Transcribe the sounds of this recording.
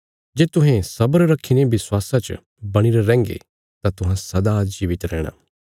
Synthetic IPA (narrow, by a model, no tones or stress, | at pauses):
d͡ʒeːt̪ʊ̃ɦɛ̃sɐbəɾɾɐkʰːinebɪswaːsãt͡ʃə̰ | bɐɽ̃iɾaɾɛ̃ːŋɡḛ | t̪ãt̪ʊɦãsɐd̪ad͡ʒiːʋɪt̪ɾɛːɽ̃a̰ː